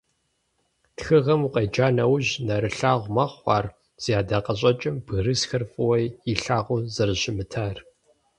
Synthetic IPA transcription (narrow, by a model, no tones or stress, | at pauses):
txɨʁɐmuqejd͡ʒaːnɐwʑnɐɾɨɬaːʁʷmɐχʷɑ̰ːr | z̥ijaːdaqɐɕ̬ʼɐt͡ʃʼɪmbɨrɨsxɐrfʼɨwɐjiɬaːʁʷʊzɐrʑɪmɨtʰaːr